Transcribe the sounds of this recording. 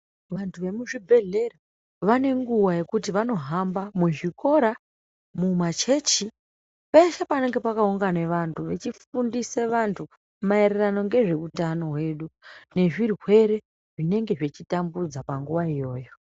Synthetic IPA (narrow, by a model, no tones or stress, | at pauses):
ʋantʰuʋe̞muʐibʱe̞ɮe̞ra | ʋane̞ŋɡuwaje̞kutiʋano̞ɦambamuʐiko̞ɾa | mumat͡ʃe̞t͡ʃi | peʃapane̞ŋɡe̞pakauŋɡane̞ʋantʰuʋet͡ʃifundiseʋantʰu | maeɾerano̞ŋɡe̞ʐe̞utano̞ɦwe̞ɗune̞ʐirɦwe̞ɾe̞ | ʐine̞ŋɡe̞ʐet͡ʃitambud͡zapaŋɡuʋaijo̞ːjo̞